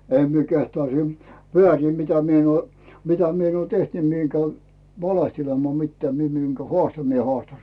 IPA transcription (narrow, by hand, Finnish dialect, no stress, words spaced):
em mie kehtŏɑˑ siːm ʋeæˑriˑm mitæ mie en uoˑ mitæ mi en uoˑ teht ni mie eŋ kæy ʋɑlehtelemɑː mitːeæː mie miŋkæ hŏɑˑstɑ mie hŏɑˑstɑ